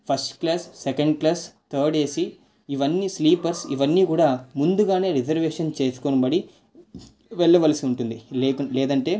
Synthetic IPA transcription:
pʰɐɾsʈklaːsːɛkɐɳɖklaːst̪ʰɐːɾɖe̞ːsi | iʋɐnːisliːpɐɾsiʋɐnːiːkuːɽaːmund̪uɡaːne̞ːɾid͡ʒɐɾʋeːʂɐnt͡ʃeːsu̥konɐbɐɽi | ʋɛɭːɐʋɐlɐsiuɳʈund̪ilːkɐlɛːd̪ɐɳʈe̞ː

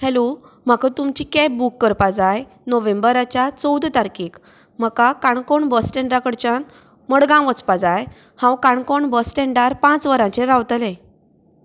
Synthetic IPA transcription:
hɛlo | m̤akat̪umt͡ɕikɛbukːəɾpad͡zaj | noʋẽmbəɾat͡ɕjat͡səwd̪ʱt̪aɾkiːk | m̤əkakaɳkoɳbəsʈɛ̃ɳɖɾakəɽt͡ɕan | məɽɡãʋət͡spad͡zaj | hãwkaɳkoɳbəsʈɛɳɖaɾpãt͡sʋəɾãt͡ɕeɾawt̪lẽ

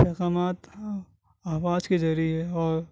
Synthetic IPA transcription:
pɛːɣaːmaːt̪ | aːʋaːzkezɐɾiɦɛɔːɾ

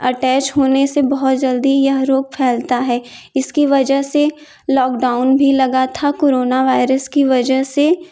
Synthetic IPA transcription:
ɐʈɛːt͡ʃɦoːnesebɐɦʊt̪d͡ʒɐld̪ijɐɦɾoːɡ̚pʰɛːlt̪aɦɛː | ɪskiʋɐd͡ʒəɦse | lɔːk̚ɖaːʊnbʱilɐɡat̪ʰakoːɾoːnaʋaːɪɾəskiʋɐd͡ʒəɦse

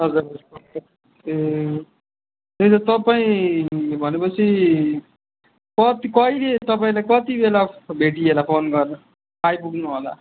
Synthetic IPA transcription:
ɦʌd͡zuɾʌsu | e | t̪ejt̪̬ʌt̪ʌpaĩbʱʌnepʌt͡sʰi | kʌt̪ikʌilet̪ʌpaĩlajkʌt̪ibelabʱeʈiɦelapʰonɡʌrn | pajpuknuɦola̰

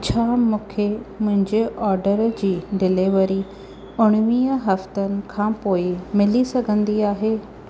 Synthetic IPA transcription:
t͡ɕʰaːmũːkʰemʊ̃ɦɪ̃ɲd͡ʑeɔːɾɖəɾd͡ʑiːɖɪleʋəɾi | ʊɽ̃ʋiːəɦɐft̪ənɪ̆kʰãːpoːɪmɪlisɐɡʱə̃nd̪iaːɦeː

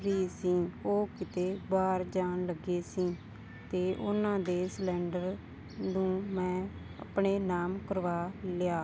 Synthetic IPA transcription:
ɾiːsĩːoːkɪt̪eːbaːɾd͡ʒaːnləɡeːsĩː | t̪eːʔʊnãːd̪eːslɛ̃ːɳɖəɾ | nũːmɛ̃ː | ə̰pɳeːnaːmkəɾʋaːlɪaː

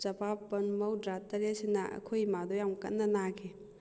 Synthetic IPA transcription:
zɐpapːɐnmɐwdɾatɐɾesinɐɐ̰kʰojmadɔjamkɐ̰tnːɐnakʰe

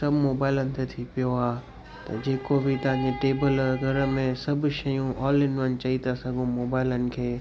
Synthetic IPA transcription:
sɐbʱmoːbaːɪlənɪ̆t̪ʰet̪ʰipijoaː | t̪ɐd͡ʑeːkobɪt̪ɐʋɦɪ̃ɲd͡ʑeʈeːbəlɡʱɐɾə̆mẽsɐbʱʊ̆ʃɐjũʔɔːlːɪnʋənt͡ɕɐit̪ʰasɐɡʱũmoːbaːɪlənɪ̆kʰeː

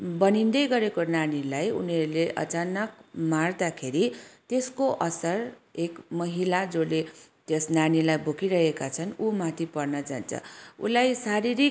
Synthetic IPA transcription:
bʌnind̪ʌjɡʌɾekonanilajṵneɾuleʔʌ̰t͡sanʌk̚mard̪akʰeɾit̪eskoʔʌsʌrekmʌɦilad͡zolet̪jesnanilajbʱokiɾʌɦekat͡sʰʌnumat̪ʰipʌrnʌd͡za̰nt͡sʰʌ̰ṵlajsaɾiɾik

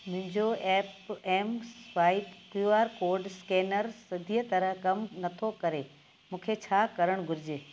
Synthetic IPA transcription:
mʊ̃ɦɪ̃ɲd͡ʑoɛːpɛːmsʋaːɪt̪kuaːɾkoːɾɖskɛːnəɾsɐd̪ʱijət̪ɐɾəɦkɐmnɐt̪ʰokɐɾe | mũːkʰet͡ɕʰaːkɐɾəɽ̃ɡʱʊɾɪd͡ʑeː

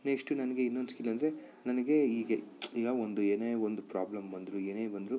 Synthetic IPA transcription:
nekʂʈunɐnɐɡe̞inːonskilːɐnd̪ɾe̞ | nɐnɐɡe̞iːɡɐiːɡɐond̪ueːneːond̪upɾaːblɐmbɐnd̪ɾueːneːbɐnd̪ɾu

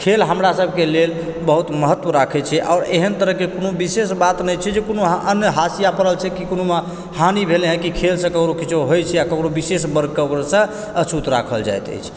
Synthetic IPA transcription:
kʰelɦəmɾasəbʱkelelbəɦut̪məɦət̪ːwəɾakʰɛt͡ʃʰɛʔaːɾeɦənt̪əɾəɦkekonobisesbat̪nəjt͡ʃʰɛd͡ʒekonoɦənjəɦasijapəɾəlt͡ʃʰɛkikonoma | hanibʱeleɦɛ̃kikʰelsə̃kəkɾokit͡ʃoɦojt͡ʃʰɛjakəkɾobisesbəɾɡ̚kəbəɾsə̃ | ət͡ʃʰut̪ɾa̰kʰəld͡ʒa̰jt̪ə̰jt͡ʃʰ

